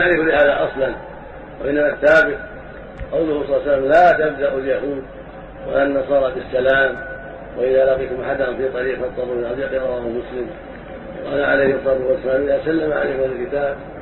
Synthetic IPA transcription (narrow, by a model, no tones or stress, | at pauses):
aʕɾɪfulɪhaːðaʔɑsˤlɑn | wa̰ʔɪnːamaθːaːbɪt̪̚ | qɑwlʊhʊsˤlːsalːamlaːt̪ab̚d̪aʔaljahuːd̪ | wa̰lanːɑsˤɑːɾˤɑbɪsːalaːm | waʔɪðalɑqiːt̪ʊmʔa̰ħad̪hʊnfiːt̪ˤːɑɾiːqɑt̪ˤːɑbɪɪnʔɑðˤjɑqiɾˤɑwaːhʊmʊslɪm | w̰ʔɑɑ̰laʕa̰lajkmsˤɑd̪ɪqwɪsːalaːmʔɪðaːsalːamaʕa̰la̰jkmalɪlkɪt̪aːb̚